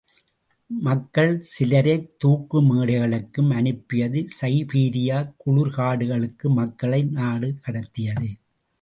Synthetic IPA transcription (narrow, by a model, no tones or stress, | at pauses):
mɐkːɐɭsɪlɐɾɐɪt̪uːkːɯmeːɽɐɣɐɭɯkːɯmɐnɯpːɪjɐðɯsɐɪpiːɾɪjaːkʊɻʊɾkaːɽɯɣɐɭɯkːɯmɐkːɐɭɐɪnaːɽɯkɐɽɐt̪ːɪjɐðɯ